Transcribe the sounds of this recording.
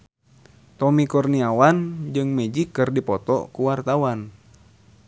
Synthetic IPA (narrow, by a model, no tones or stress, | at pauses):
t̪ɔmikɔrniawand͡ʒɨŋmɛd͡ʒikːɨrdipɔt̪ɔ̰kuwart̪awan